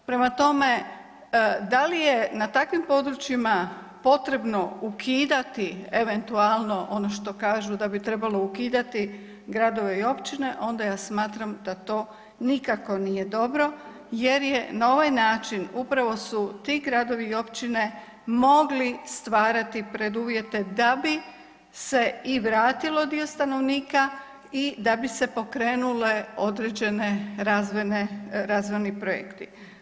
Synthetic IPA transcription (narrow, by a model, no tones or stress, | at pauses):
pɾe̞mat̪o̞me̞ | d̪alije̞nat̪akʋimpo̞d̪ɾut͡ʃjima | po̞t̪ɾe̞bno̞ukʰiːd̪at̪ieʋe̞nt̪ualˠno̞ʔo̞noʃt̪o̞kaːʒud̪abit̪ɾe̞balo̞ukiːd̪at̪i | ɡɾad̪o̞ʋe̞io̞pt͡ʃine̞ʔo̞nd̪ajaːsmaːt̪ɾamd̪at̪o̞ː | nikako̞nije̞d̪o̞bɾo̞ | je̞ɾje̞nao̞ʋajnaːt͡ʃinupɾaʋo̞sut̪iɡɾad̪o̞ʋio̞pt͡ʃine̞ | mo̞ɡlist̪ʋaːɾat̪ipɾe̞d̪uːʋje̞t̪e̞d̪abi | se̞iʋɾaːt̪ilo̞d̪io̞st̪ano̞ʋniːka | id̪abise̞po̞kɾeːnule̞o̞d̪ɾed͡ʒe̞ne̞ɾazʋoneɾaːzʋojnipɾojḛkt̪i